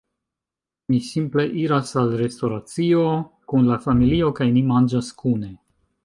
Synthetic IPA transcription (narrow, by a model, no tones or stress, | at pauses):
misimple̞ʔiɾasalɾe̞sto̞ɾat͡sio̞ | kunlafamilio̞kajnimand͡ʒaskune̞